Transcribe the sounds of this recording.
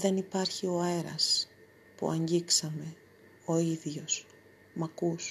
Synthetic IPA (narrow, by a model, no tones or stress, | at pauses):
ðe̞nipɐɾçio̞eɾɐ̰s | pṵɐ̰ɲɟiksɐme̞ | o̞iðʝo̞s | mɐkus